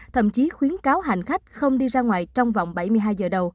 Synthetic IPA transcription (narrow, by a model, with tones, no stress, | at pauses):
t̪ʰə̰˧˩˨mt͡ɕi˨˦xwi˨˦ənkaː˨˦wɦa̰˧˨˩ŋ̟xa˦˥jk̟̚xə˧wŋ͡mɗi˧zaː˧ŋwa̰ː˨jt͡ɕɔ˧wŋ͡mva̰˧˨wŋ͡mɓa˧˩jmɨ˧əjɦaː˧jzəː˨˩ɗə˨˧˩w